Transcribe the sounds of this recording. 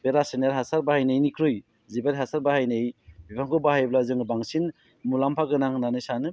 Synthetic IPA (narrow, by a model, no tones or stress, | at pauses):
beɾasenaɾɦasaɾbahajnɯjnikʰɾɯj | zibaɾiɦasaɾbahajnɯjbipʰaŋkʰɯbahajblazɯŋbaŋsin | mulampʰaɡɯnaŋnanɯjsanɯ